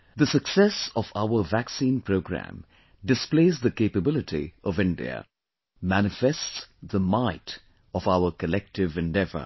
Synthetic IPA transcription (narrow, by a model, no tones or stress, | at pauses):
ðəsəksɛsɔvaʊəvæksĩːnpʰɹoʊɡɹæ̰̃m | ɖɨspleɪzðəkeɪpəbɪlɨtḭɔvɪ̃ndḭə̰ | mænɨfɛstsðəmaɪt | ɔvaʊəkəlɛk̚tɪvɨ̃ndɛvə̰